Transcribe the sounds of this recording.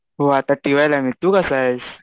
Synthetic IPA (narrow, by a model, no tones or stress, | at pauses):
wat̪aʈiwajlamit̪ukasajs